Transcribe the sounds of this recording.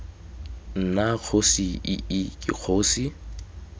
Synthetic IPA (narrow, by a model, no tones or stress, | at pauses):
n̩nak͡xʰosiɪɪkʼɪ̰k͡xʰoːsi